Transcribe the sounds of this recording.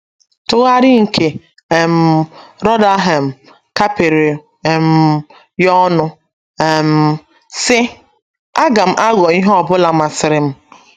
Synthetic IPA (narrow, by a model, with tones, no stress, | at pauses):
tʊ˦ɣa˦ɾɪ˦ŋ̩˨kʰe˨ | m̩˨ɾɔ˦da˦ɦe˨m̩˨ | ka˦pe˨ɾe˨ | m̩˦ | jɔ˦nʊ˦ | e˨m̩˦ | sɪ˦ | a˦ɡa˨m̩˦ʔa˦ɣɔ˨i˦ɦɔ˦˨bʊ˦la˨ma˨sɪ˨ɾɪ˨m̩˦